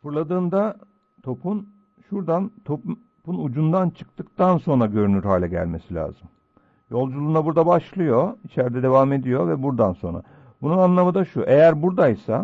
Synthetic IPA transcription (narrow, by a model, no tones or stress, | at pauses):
fɯɾlˠad̪ɯːnd̪a | t̪ʰo̞pʰun | ʃuɾd̪ant̪ʰo̞ | punud͡ʒund̪ant͡ʃʰɯ̥k̚t̪ɯkt̪anso̞nɾaɟø̞ɾynyɾhaːlʲɛɟæ̰lʲme̞silʲa̰ːz̥ɯm | jo̞lˠd͡ʒulˠuːnabuɾd̪abaʃlˠɯjo̞it͡ʃʰæɾd̪ɛd̪e̞vaːme̞d̪ijo̞vɛbuɾd̪anso̞nɾa̰ | bununanlˠamɯd̪aʃuʔe̞jæɾbuɾd̪ajsa̰